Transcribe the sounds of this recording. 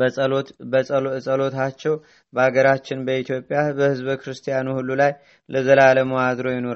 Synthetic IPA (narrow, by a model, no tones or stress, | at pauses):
bʼobəsʼəlo̞t̪ʰat͡ʃːɛw | bəaɡəɾat͡ʃːɪnbəit̪ʰjo̞pʼːjabəhɨzβkʰɾɨst̪ʰijanuhulːulaj | ləzəlaləmoad̪ɾo̞jɪnoɾa